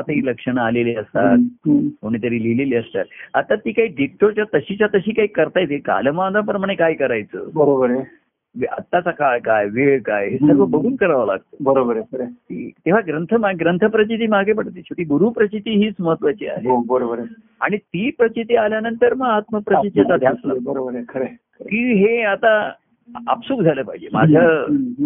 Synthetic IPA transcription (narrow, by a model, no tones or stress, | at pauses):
at̪əɦiːləkʂəɳ̃aːleliəst̪a̰t̪̚koɳ̃iːt̪̬əɾiːlileliːəst̪a̰t̪̚at̪ːat̪iːkaɦiːɖeʈːot͡ɕjat̪əɕit͡ɕat̪əɕiːkaɦiːkəɾt̪ajt̪eka̰ləmad̪ʱap̬ɾəmaɽ̃ekajkəɾajt͡sə̰ːbəɾobəɾe | ʋa̰t̪ːat͡sakaɭkajʋeɭkajɦesəɾʋəbəɡʱuːnkəɾaʋala̰ɡ̚t̪obəɾobəɾesəɾet̪ḭːt̪eʋ̤aɡɾənt̪ʰəmaɡɾənt̪ʰəpɾət͡ɕit̪̬iːmaɡʱep̬əɽt̪ːit͡ɕuʈ̪iːɡuɾuːpɾət͡ɕit̪iːɦiːt͡sməɦət̪ːʋat͡ɕiːa̰ɦebəɾobəɾe | a̰ɽ̃it̪iːpɾət͡ɕit̪ialjanənt̪əɾməɡat̪məpɾət͡ɕit̪iat̪ad̪ʱjaslabəɾobəɾekʰəɾe | kĩːɦeat̪a | a̰psuːkd͡zʱaləːpaɦid͡ʑḛma̰d͡ʑʱja